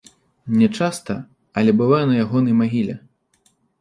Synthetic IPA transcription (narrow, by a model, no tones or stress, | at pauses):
nʲɛt͡ʂast̪ɐ | ɐlʲɛbɨvajɛnɐjaɣɔnɐjmaɣʲilʲɛ̰